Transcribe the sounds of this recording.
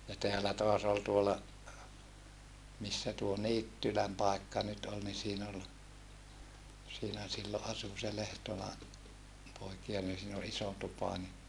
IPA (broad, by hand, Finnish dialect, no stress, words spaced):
jɑ teælæ toɑs ol tuolɑ misːæ tuo niːtːylæm pɑˑekːɑ nyt ol ni siːn ol siːnæ silːo ʔɑsu se lehtolɑ poikiɑ nin siːn ol iso tupɑ ni